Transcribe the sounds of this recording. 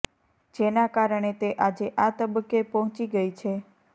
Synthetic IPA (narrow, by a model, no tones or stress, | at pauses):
d͡ʒenakaɾəɳ̃et̪eʔad͡ʒeʔat̪əbəkːepɔɦɔ̃t͡ʃiɡəit͡ʃʰe